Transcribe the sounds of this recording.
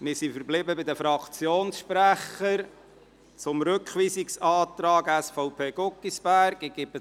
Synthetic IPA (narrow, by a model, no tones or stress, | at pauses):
mɪɾsifəɾblɪbəbɪd̪əfɾɑkʰt͡sjoːnsʃpɾæχəɾ | t͡sʊmɾɵkχʋiːsɪksɑːt̪ɾɑːɡæsfɔʊpʰeːɡokːisb̥æɾɡɪɡ̥ɪpə